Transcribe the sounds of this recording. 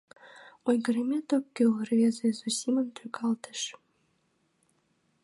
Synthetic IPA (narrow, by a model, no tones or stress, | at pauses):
ojɡə̆ɾemʲet̪okːølrvʲezezusʲimənt̪ʰøkʰɑlt̪ə̥ʃ